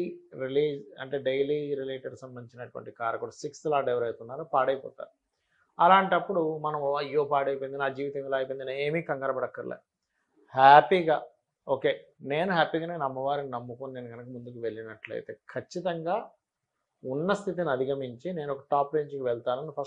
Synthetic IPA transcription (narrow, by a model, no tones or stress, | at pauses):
ɾiliːd͡ʒɐ̰ɳʈeːɖejliːɾileːʈeɖsɐmbɐnd̪it͡ʃinɐʈuʋɐ̰ɳʈikaːɾɐkulusikslaːɖeʋɐɾɐjt̪unːaːɾoːpaːɽɐjpɔ̰ːt̪a̰ːɾu | ɐlaːɳʈɐpːuɽumɐnɐmijoːpaːɽɐjpojind̪inaːd͡ʒiːʋit̪ɐŋilaːjpojind̪inaːeːmiːkɐŋɡɐːɾɐbɐɽɐkːɐɾlḛː | haːpiːɡaː | o̞ːke̞ːne̞ːnuɦaːpiːɡɐnɐkɐnɐmːɐʋaːɾininɐmːukoːnineːnuɡɐnɐkɐmund̪ukiʋe̞ɭːinɐʈluɐ̰jt̪e̞̰ːkʰɐt͡ʃːit̪ɐŋɡaː | unːɐst̪ʰit̪̬iniɐd̪ʱiɡɐmiɲt͡ʃine̞ːnuɔkɐʈaːpɾeːɲd͡ʒkiʋɛɭt̪aːnɐnipʰɐ